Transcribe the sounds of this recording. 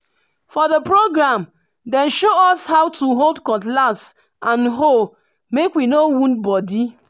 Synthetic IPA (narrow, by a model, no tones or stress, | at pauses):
fɔdəpɾoɡɾam | dɛ̃nʃoɔshawtuɦoldkɔ̃ntlas | ãnɦol | mekwinowũntbɔdi